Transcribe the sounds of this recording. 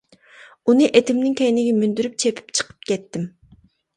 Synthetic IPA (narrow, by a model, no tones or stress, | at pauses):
unɨʔet̪ʰɪmnɪŋkʲɛjnɪɡʲɛmynd̪yɾyp̚t͡ʃʰepʰy̥pt͡ʃʰə̥qʰə̥p̚kʲɛt̪ːɪm